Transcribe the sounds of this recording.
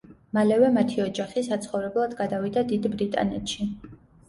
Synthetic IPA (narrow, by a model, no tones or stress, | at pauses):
malɛvɛmat̪ʰiɔd͡ʒaχisat̪sʰχɔvɾɛblˠad̪ɡad̪avid̪ad̪id̪bɾit̪ʼa̰nɛ̰t̪ʃi